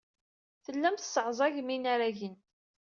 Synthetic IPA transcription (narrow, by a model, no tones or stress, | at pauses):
θəlːæmθə̥sʕzˤɑʝminaɾæʝən